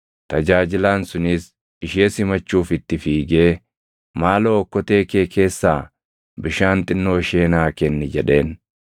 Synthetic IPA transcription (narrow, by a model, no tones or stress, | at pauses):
t̪ɐd͡ʒaːd͡ʒɪlaːnsʊnɪs | ɪʃeːsɪmɐt͡ʃːuːfɪt̪ːɪfiːɡeː | maːloːkːɔt̪e̞ːke̞ːke̞ːsːaː | bɪʃaːnt̪ʼɪnːo̞ːʃe̞ːnaːkɛnːɪd͡ʒɛᶑe̞ːn